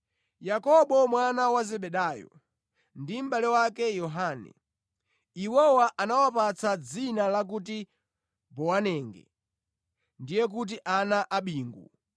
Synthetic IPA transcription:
jakɔɓɔmwanawazɛɓɛɗaːjɔ̰ | ndim̩ɓalɛwakɛjɔɦaːnɛ̰ | iwɔwaʔanawapat͡sad͡zinalak̬ut̬i | bɔwanɛːŋɡɛ̰ | ndijɛk̬ut̬iʔanaʔaɓiːŋɡu

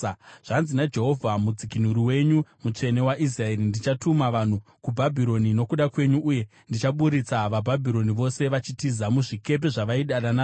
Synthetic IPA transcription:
ʐ̥anzinad͡ʒe̞ɦo̞vʱamud͡zikin̤uɾiwe̞ɲumut͡ʂe̞ne̞waʔis̬rae̞ɾindit͡ʃatumaʋan̤ukubʱabʱiɾo̞nino̞kuɗakwe̞ɲuʔːje̞ | ndit͡ʃaɓuɾit͡saʋabʱabʱiɾo̞niʋo̞se̞ʋat͡ʃitizamuʐike̞p̬e̞ʐaʋaiɗaɗanaː

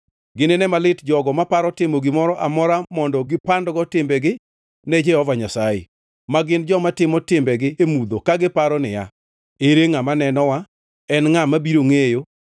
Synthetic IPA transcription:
ɡɪnenɛmalɪtd͡ʒɔɡɔmapaɾɔtɪmɔɡɪmɔɾɔʔamɔɾamɔndɔɡɪpandɡɔtɪmbɛɡɪ | nɛd͡ʒɛhɔvaɲasajḛ | maɡɪnd͡ʒɔmatɪmɔtɪmbɛɡɪemud̪okaɡɪpaɾɔnɪja̰ | eɾeŋamanɛnɔwa | ɛnŋamabiɾoŋejo

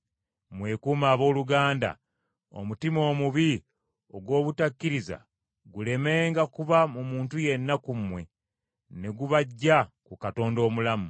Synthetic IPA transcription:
mwe̞ːkuːmaːβo̞ːluɡaːnda̰ | o̰mutimo̞ːmuβi | o̞ɡwo̞ːβutakːiɾiza̰ | ɡule̞me̞ːŋɡakuβamumuːntuje̞nːakumwe̞ | ne̞ɡuβaɟːakukato̞ːndo̞ːmulamu

